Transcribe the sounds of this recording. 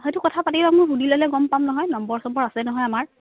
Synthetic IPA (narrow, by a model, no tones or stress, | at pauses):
xejtʊkɔtʰapatibamʊjbudilɔlɛɡɔmpamnɔɦɔjnɔmbɔɹsɔmbɔɹasɛnɔɦɔjamaɹ